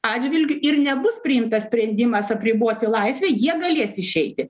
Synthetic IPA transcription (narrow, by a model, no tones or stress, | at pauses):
ɑːd͡ʒʲʋʲɪlʲɡʲʊʔɪɾnʲɛbʊspʲɾʲɪɪmt̪ɐssʲpʲɾʲɛnʲd̪ʲɪmɐsɐpʲɾʲɪboːt̪ʲɪlˠɐɪsʲʋʲɛːjiɛɡɐlʲeɛsɪʃʲɛɪt̪ʲɪ